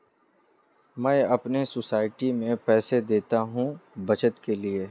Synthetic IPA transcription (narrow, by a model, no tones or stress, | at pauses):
mɛ̃ːɐpnesosaːɪʈimẽpɛːsed̪eːt̪aɦũbɐt͡ʃət̪kelie